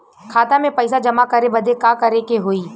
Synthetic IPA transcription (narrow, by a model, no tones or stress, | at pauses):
kʰaːt̪amẽpɐɪsad͡ʒɐmakɐɾebɐd̪ekaːkɐɾekeɦoːiː